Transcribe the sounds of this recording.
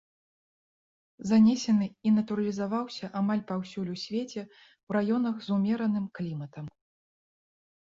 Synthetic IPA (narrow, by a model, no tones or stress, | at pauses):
zanʲɛsʲɐnɨinɐt̪uɾɐlʲizavawsʲɐʔamalʲpawsʲulʲusʲvʲet͡sʲɛ | wɾajɔn̪ɐɣzumʲɛɾɐnɨmklʲimɐt̪ɐm